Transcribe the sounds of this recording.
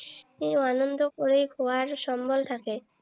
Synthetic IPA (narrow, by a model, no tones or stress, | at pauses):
ianond̪ʱokoɾejkowaɾʃɔmbolt̪ʰake